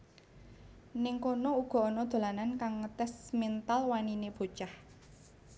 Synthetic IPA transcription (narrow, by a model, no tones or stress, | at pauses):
nɪŋkonɔuɡ̥ɔ̤ɔnɔd̪̥o̤lanankaŋːət̪ɛsmint̪alwanineb̥o̤t͡ʃah